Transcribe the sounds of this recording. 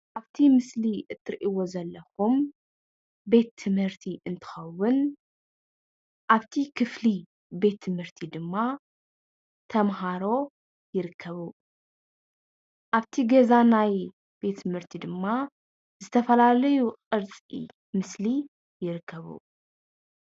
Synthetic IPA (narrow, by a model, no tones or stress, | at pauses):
ʔaβt̪ʰimɨsliʔɨt̪ʰːɨɾʔiwo̞zɐlːɐxum | be̞t̪ʰːɨmhɨɾt̪ʰiʔɨnt̪ʰɨ̥xɐwːʊn | ʔaβt̪ʰikʰɨfli | be̞t̪ʰːɨmhɨɾt̪ʰid̪ɨmːa | t̪ʰɐmɦaɾo̞ | jɪɾɨkʰːɐβu | ʔaβt̪ʰiɡɐzanaj | b̥e̞t̪ʰːɨmhɨɾt̪ʰid̪ɨmːa | zɨt̪ʰɐfɐlalɐjuqʼɨɾt͡sʼḭ | mɨsli | jɪɾɨkʰːɐβṵ